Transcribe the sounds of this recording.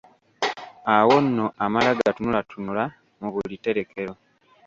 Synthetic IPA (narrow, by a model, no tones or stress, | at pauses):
awo̞nːo̞ʔamalaɡatunulatunula | muβulite̞ɾe̞ke̞ɾo̞